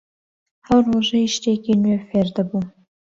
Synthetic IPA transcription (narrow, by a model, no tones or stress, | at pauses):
hawroʒajiʃt̪ekinwefeɾd̪abu